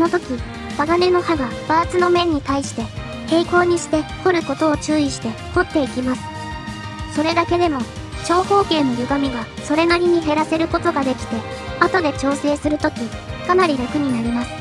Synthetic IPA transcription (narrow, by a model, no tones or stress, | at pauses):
sono̞t̪o̞kʲi | b̪aɡane̞no̞haɡab̥aːt͡sɨno̞mẽ̞ɲ̟ːit̪aiɕi̥t̪e̞ | he̞ːiko̞ːɲ̟iɕi̥t̪e̞ho̞ɾɯ̟ko̞t̪o̞ːt͡ɕɨːiɕi̥t̪e̞ho̞t̪ːe̞ikʲimasɨ̥ | so̞ɾe̞d̪ake̞d̪e̞mo̞ | t͡ɕo̞ːho̞ːke̞ːno̞jɯ̟ɡamʲiɡaso̞ɾe̞naɾʲiɲ̟iɦe̞ɾase̞ɾɯ̟ko̞t̪o̞ɡad̪e̞kʲi̥t̪e̞at̪o̞d̪e̞t͡ɕo̞ːse̞ːsɨɾɯ̟t̪o̞kʲikanaɾʲiɾakɯ̟ɲ̟inaɾʲimasɨ̥